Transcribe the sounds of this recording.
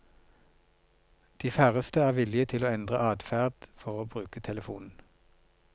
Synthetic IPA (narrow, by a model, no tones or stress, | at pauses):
d̪̥iːfæːʁəst̪əæːʁʋɪlɪət̪ʰɪloːɛnd̪ʁəʔɑːd̪fæːʁd̪̥fɔʁoːbʁʉːkət̪ʰɛləfuːnn̩